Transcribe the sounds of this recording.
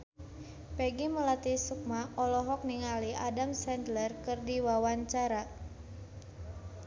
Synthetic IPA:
pɛɡiməlat̪isuk̚maʔɔlɔɦɔk̚niŋaliʔadamsɛnd̪lərkɨrdiwawaɲt͡ʃaɾa

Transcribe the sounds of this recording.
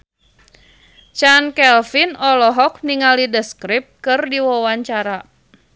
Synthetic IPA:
t͡ʃankɛlfinɔlɔɦɔk̚niŋalidəskɾɪp̚kɨrdiwɔwaɲt͡ʃaɾa

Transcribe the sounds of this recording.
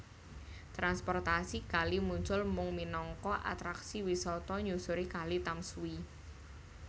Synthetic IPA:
t̪ɾanspɔrt̪asikalimuɲt͡ʃʊlmʊŋminɔŋkɔʔa̰t̪ɾaksiwisɔt̪ɔɲusuɾikalit̪amsui

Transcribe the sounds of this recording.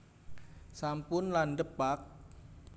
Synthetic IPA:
sampʊnlandəpak̚

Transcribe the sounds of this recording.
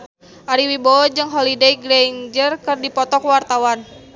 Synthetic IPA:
ʔaɾiwibod͡ʒɨŋɦolidejɡɾeɲd͡ʒərkɨrdipɔt̪ɔkwart̪awan

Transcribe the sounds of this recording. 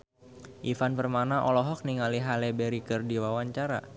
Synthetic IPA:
ʔifanpərmanaʔɔlɔɦɔk̚niŋaliɦalɛbɛɾikɨrdiwawaɲt͡ʃaɾa̰

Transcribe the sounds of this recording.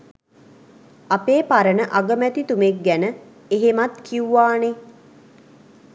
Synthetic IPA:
apeːpaɾənəʔaɡəmæt̪it̪umek̚ɡænə | eɦemat̪kʰiuʋaːne

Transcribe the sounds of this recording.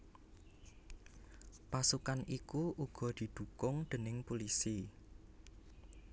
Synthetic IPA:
pasukanikuʔuɡ̥ɔ̤d̪̥i̤d̪̥ṳkʊŋd̪̥ə̤nɪŋpulisi

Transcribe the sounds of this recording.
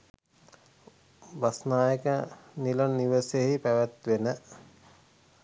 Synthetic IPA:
basnaːjəkənilannːiʋəseɦipæʋæt̪ʋenə

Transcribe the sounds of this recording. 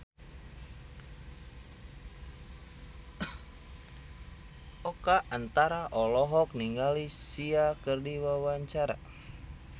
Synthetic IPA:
ɔkaʔant̪aɾaʔɔlɔɦɔk̚niŋɡalisiakərdiwawaɲt͡ʃaɾa̰

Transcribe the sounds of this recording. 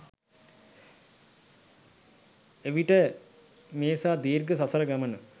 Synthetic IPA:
eʋiʈə | meːsaːd̪iːrɡəsasəɾəɡamənə

